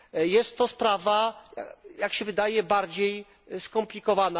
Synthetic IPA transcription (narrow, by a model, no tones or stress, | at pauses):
jɛst̪ːɔspɾavaa̰jakɕɛvɘd̪ajɛbaɾd͡ʑej | skɔmplʲikɔvana